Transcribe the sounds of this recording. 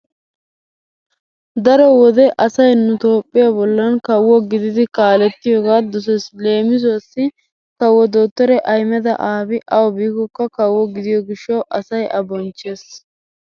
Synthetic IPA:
d̪ɐɾɔwɔd̪ɛʔɐsɐjnʊt̪o̞ːpʼːɪjabɔlːɐnkɐwːɔɡɪd̪ɪd̪ɪkaːlɛt̪ːɪjoːɡaːd̪ɔs̬ɛsle̞ːmɪzʊɐsːɪ | kɐwːɔd̪o̞ːt̪ːɔɾɛʔɐjmɛd̪ɐ̰ʔaːbɪʔɐwɔbiːɡɔkːɐkɐwːɔɡɪd̪ɪjɔɡɪʃːɐwʔɐsɐjɐbɔnt͡ʃːe̞ːs

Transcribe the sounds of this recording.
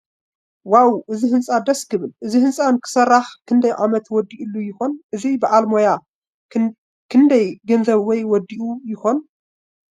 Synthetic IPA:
wawʔɨzihɨnsʼad̪ɐskʰɨβɨlʔɨzihɨnsʼankʰɨ̥sɐrːaħkʰɨnd̪ɐjʕamɐt̪wɔd̪ːiʔulːujɪxo̞nʔɨzibɨʔalmoja | kʰɨnd̪ɐjɡɐnzɐβwɔjwɔd̪iʔujɪxon

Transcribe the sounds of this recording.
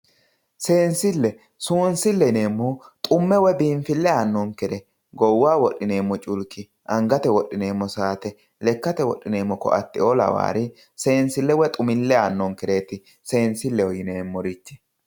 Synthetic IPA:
se̞ːnsɪlːɛ | suːnsɪlːɛne̞ːmːɔt̪ʼʊmːɛwɛbiːɱfɪlːɛaːnːɔŋkɛd̪ɛ | ɡɔwːaːwɔɗːɪne̞ːmːɔt͡ʃʼʊlkːɪ | ʔɐŋɡɐt̪ɛwɔɗːɪne̞ːmːɔsaːt̪ɛ | lɛkːɐt̪ɛwɔ̰ɗːɪne̞ːmːɔkɔ̰ɐ̰t̪ːɪɔlɐ̰wa̰ːɾɪ | se̞ːnsɪlːɛwɛt̪ʼʊmɪlːɛanːɔŋkɛd̪e̞ːt̪ɪ | se̞ːnsɪlːɛɔjɪneːmːɔɾɪt͡ʃːɛ̥

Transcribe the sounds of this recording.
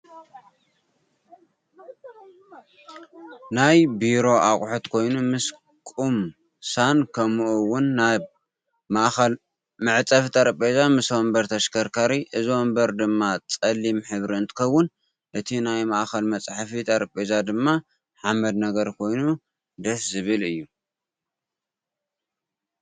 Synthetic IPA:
najbiɾo̞ʔaχʼħut̪kʰo̞jnumɨs | kʼum | sankʰɐmuʔuwʊnːa | maʔxɐl | mɨʕt͡sʼɐft̪ʰʼaɾpʼezamɨswombɐɾt̪ʰɐʃkʰɐɾkʰaɾiʔɨzombɐɾd̪ɨmːat͡sʼɐlːimħɨβɾiɨnt̪ʰɨ̥kɐwʊn | ʔɨt̪ʰinajmaʔxɐlmɐt͡sʼħafit̪ʰʼaɾpʼezad̪ɨmːa | ħamɐd̪nɐɡɐɾkʰo̞jnu | d̪ɐszɨβɨlɨjːu

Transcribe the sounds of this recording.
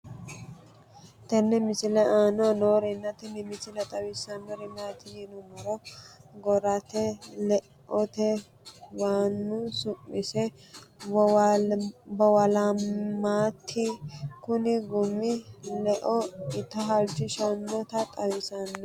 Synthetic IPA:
t̪ɛnːɛmɪsɪlɛʔaːnɔnoːɾɛnːɐt̪ɛnɪmɪsɪlɛt̪ʼɐwɪsɐnːɔɾɪmaːt̪ɪjɪnʊmɐɾɔɡɔɾɐt̪ɛlɛʔɔt̪ɛ | waːnːʊsʊmːɪsɛ | bɔwɐlamaːt̪ʰːɪkʊnɪɡʊmːɪlɛʔɔɪt̪ːɐɦɐlt͡ʃːɪʃɐnːɔt̪ɐt̪ʼɐwɪsɐnːɔ

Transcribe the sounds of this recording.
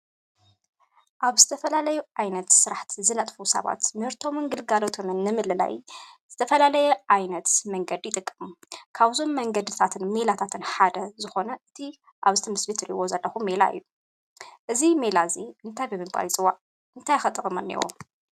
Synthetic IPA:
ʔaβzɨt̪ʰɐfɐlalɐjuʔʕajnɐt̪sɨɾaħt̪ʰzɨnɐt̪ʼfusɐ̰βa̰t̪mɨhɾt̪ʰo̞mɨŋɡɨlɡalo̞t̪ʰo̞mɨnːɨmɨlɨla̰jz̥ɨt̪ʰɐfɐlalɐjɛʕajnɐt̪mɐŋɡɐd̪jɪt̪ʼɨkʼːɨmkʰaβzo̞mːɐŋɡɐd̪ɨt̪ʰat̪ʰɨnmelat̪ʰat̪ʰɨnħad̪ɐzɨxo̞nɐʔɨt̪ʰi | ʔaβzɨt̪ʰɐmɨslit̪ʰɨɾiwozɐlːɐxumːela̰ɨ̰jːu | ʔɨzime̞laziʔɨnt̪ʰajbɨmɨmba̰jt͡sʼɨwːaʕ | ɨnt̪ʰajxɐt̪ʼɨkʼɨmɐnːḭwo̰

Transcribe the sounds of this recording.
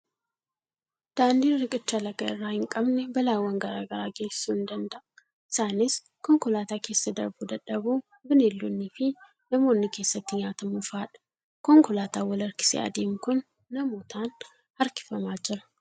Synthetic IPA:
d̪̥aːnd̪iːrɪkʼɪt͡ʃːɐlɐɡɐɪrːaːhɪŋkʼɐbnɛbɐlaːwːɐŋɡɐɾaːɡɐɾaːɡeːsɪ̥suɪnd̪ɐnd̪ɐʔ | ʔɪsaːnɪs | kɔŋkʊlaːt̪aːke̞ːsːɐd̪ɐɾbuːd̪ɐᶑɐbuː | bɪnelːunːiːfɪ | nɐmo̞ːnːɪke̞ːsːɐt̪ːɪɲaːt̪ɐmufaːᶑɐ̥ | kɔŋkʊlaːt̪aːwɐlɐɾkɪ̥sḛʔɐ̰d̪eːmkʊnː | ɐmoːt̪aːn | hɐɾkɪ̥fɐmaːd͡ʒɪɾɐ

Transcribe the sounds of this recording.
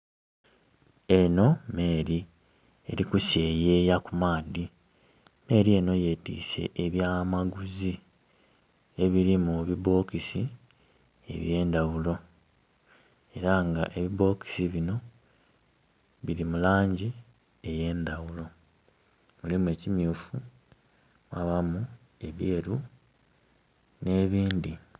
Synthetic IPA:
e̞no̞me̞ːɾi | ḛɾikuseːje̞ːjakumaːdi | me̞ːɾie̞no̞je̞tḭːsḛʔeβjaːmaɡuzi | e̞βiɾimuβiβo̞ːkisi | ḛβje̞ːnd̪awulo̞ | e̞ɾaŋɡa̰ʔe̞βiβo̞ːki̥siβino̞ | βiɾimulaːɲɟi | e̞je̞ːnd̪awulo̞ | mulimue̞ːcimjuːfu | maβamu | e̞βjeːɾu | ne̞ːβiːnd̪i

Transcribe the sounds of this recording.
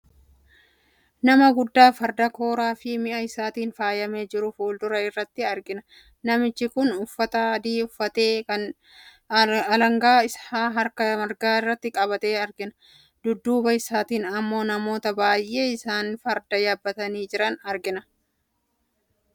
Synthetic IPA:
nɐmɐɡʊd̪ːaːfɐɾd̪ɐko̞ːɾaːfɪmɪʔɐɪsaːt̪iːnfaːjɐme̞ːd͡ʒɪɾʊfoːld̪ʊɾɐɪrːɐt̪ːɪɐɾɡɪnɐ | nɐmɪt͡ʃːɪkʊnʊfːɐt̪ɐd̪iːʊfːɐt̪e̞ːkɐn | ɐlɐŋɡaːɪshaːɦɐɾkɐmɐɾɡaːɪrːɐt̪ːɪkʼɐβɐt̪eːɐɾɡɪnɐ | d̪ʊd̪ːuːbɐɪsaːt̪iːnɐmːo̞ːnɐmo̞ːt̪ɐbaːjʔe̞ːɪsaːnfɐɾd̪ɐjaːbːɐt̪ɐniːd͡ʒɪɾɐnɐɾɡɪnɐ

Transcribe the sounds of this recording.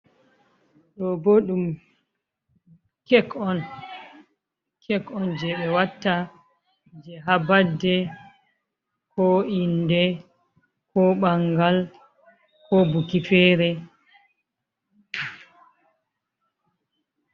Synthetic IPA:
ɗɔboɗum | kɛkɔn | kʰɛkɔnd͡ʒɛɓɛwatːa | d͡ʒɛɦabadːɛ | kɔindɛ | kɔɓaŋɡal | kɔbukifɛːɾɛ

